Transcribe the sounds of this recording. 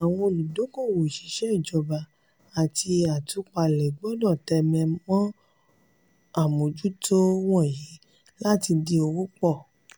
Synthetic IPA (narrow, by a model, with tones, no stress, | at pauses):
a˨w̃ɔ̃˧lu˨do˨˦ko˦˨wo˨ʃi̥˨˦ʃɛ˦i˦˨d͡ʒɔ˨˧ba˧ | a˨ti˧a˨tu˨˦k͡pa˧˨lɛ˨ɡ͡bɔ˦dɔ˦˨tɛ˧mɛ̃˧mɔ̃˦ | a˦˨mo˨d͡ʒu˦tʰo˦w̃ɔ̃˦˨ji˨˦ | la˦ti˧di˧o˧wo˦k͡pɔ˦˨